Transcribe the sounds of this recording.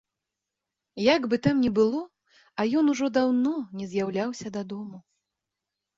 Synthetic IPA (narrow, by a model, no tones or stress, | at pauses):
jaɡbɨt̪amnʲɛbɨlˠɔ | ɐjɔnuʐɔd̪awnɔnʲɛzʲjawlʲawsʲɐd̪ad̪ɔmu